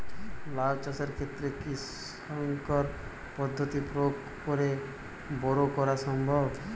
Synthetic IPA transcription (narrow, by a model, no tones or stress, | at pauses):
laɡt͡ʃaseɾkʰet̪ɾekis | aŋkɔɾ | pɔd̪ʱːɔt̪ipɾok | pɔɾe | bɔɾokɔɾasɔmbʱɔb